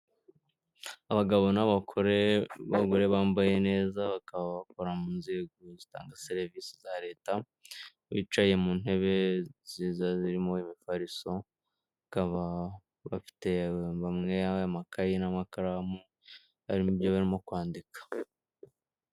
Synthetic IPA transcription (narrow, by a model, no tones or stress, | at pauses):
aβaɡaβo̞naβakʰoɾeβaɡoɾe̞βaːmbaje̞ne̞ːzaβakaβaβakoɾamuːnzeɡozita̰ːŋɡaseɾivisizaɾe̞ːta | βḭt͡ʃaje̞muːn̥he̞βe̞zizaziɾimoimifaɾiso | kaβa | βa̰fi̥te̞βamŋe̞ajamakʰajinamakaɾamu | ha̰ɾimubjoβaɾimo̞kwaːndikḁ